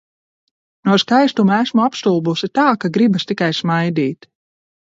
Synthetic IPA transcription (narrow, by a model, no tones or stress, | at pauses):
nuɔskajst̪umæsmuapst̪ulˠbusit̪aːkaɡɾibast̪ikajsmajd̪iːt̪